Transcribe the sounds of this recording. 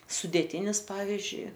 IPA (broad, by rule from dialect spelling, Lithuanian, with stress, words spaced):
sʊdʲeːˈtʲiːnʲɪs ˈpɑːʋʲɪzʲd͡ʒʲʊɪ